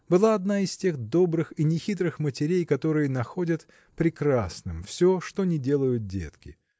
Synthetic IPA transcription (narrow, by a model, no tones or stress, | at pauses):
bɨlˠaɐd̪naɪsʲtʲe̞xd̪o̞bɾɨxinʲɪxʲit̪̬ɾɨxmətʲɪɾʲejkɐt̪o̞ɾɨjənɐxo̞dʲət̪ | pɾʲɪkɾasnɨmfsʲo̞ʂt̪o̞nʲɪdʲe̞lˠəjʊt̪̚dʲe̞̰t̪kʲɪ